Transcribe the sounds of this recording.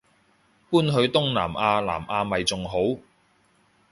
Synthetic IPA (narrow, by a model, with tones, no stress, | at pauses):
puː˥nɦɵ˧ɥt̪ʊ˥ŋla̰ː˨˩mʔaː˧la̰ː˨˩mʔaː˧mɐ˨jt͡sʊ˨ŋɦo˨˥w